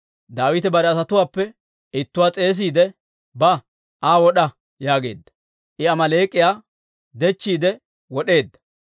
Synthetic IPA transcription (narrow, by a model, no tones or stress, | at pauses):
d̪aːwɪt̪ɛbɐɾɛɐsɐt̪ʊwaːpːɛ | ɪt̪ːʊwaːt͡sʼe̞ːs̬iːd̪ɛ | bɐ | ʔaːwɔɗɐ | jaːɡe̞̰ːd̪ːɐ̥ | ʔɪɐmɐleːkʼːɪjaː | d̪ɛt͡ʃːiːd̪ɛ | wɔɗe̞ːd̪ːɐ̥